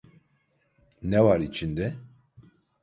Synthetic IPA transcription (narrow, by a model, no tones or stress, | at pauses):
nɛwaɾit͡ʃʰind̪ɛ